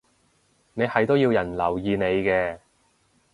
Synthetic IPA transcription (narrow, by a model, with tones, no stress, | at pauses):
ne˨˧jhɐ˨˩jt̪o˥wji˧wjɐ˨˩nlɐ˨˩wjiː˧ne˨˧jkɛː˧